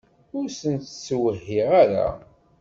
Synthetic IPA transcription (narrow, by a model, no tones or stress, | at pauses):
ʊɾsənt̪sːwəɦːiʁaɾa̰